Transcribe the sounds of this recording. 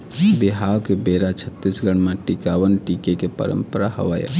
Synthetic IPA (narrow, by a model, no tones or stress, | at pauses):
biɦakebeɾat͡ʃʰət̪ːisɡəɽ̃maʈikabənʈikekepə̰ɾə̰mpəɾahə̰ʋəj̰